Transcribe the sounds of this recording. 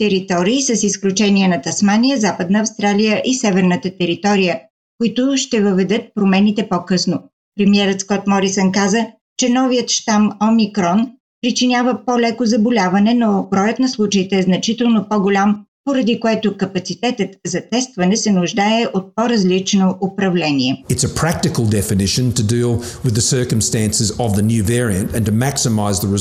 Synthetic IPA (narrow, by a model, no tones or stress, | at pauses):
t̪ɛɾit̪ɔɾiːsɐsisklʲut͡ʃɛniənɐt̪ɐsmanʲijəzapəd̪nəːfst̪ɾalʲijəʔisɛvɛɾnət̪ət̪ɛɾit̪ɔɾijə | kʊit̪ʊʃt̪ɛvəvɛd̪ɤt̪̚pɾomɛnit̪ɛpɔkɤsno | pɾɛmiɛɾət̪skɔt̪mɔɾisɛnkazə | t͡ʃɛnɔvijət̪ʃt̪amɔmikɾɔn | pɾit͡ʃinʲjavəpolʲɛkozɐbolʲavɐnɛnobɾɔjət̪nɐslˠut͡ʃəit̪ɛːznɐt͡ʃit̪ɛlˠnopɔɡʊlʲampoɾɐd̪ikoɛt̪okɐpɐt̪sit̪ɛt̪ət̪zɐt̪ɛst̪vɐnɛsɛnʊʒd̪aɛʔot̪̚poɾɐzlit͡ʃnoʔʊpɾɐvlɛniɛɨtsəpʰɹ̥æk̚tɨkəlˠdɛfɨnɪʃɨ̃ntʰɨdilˠwɨðəsɜ˞kə̃m̩stæ̃nsɨzəvðɨnjʉvɛɹiɨ̰̃ntɨ̃ntɨmæksəmaɪzðəɹɨ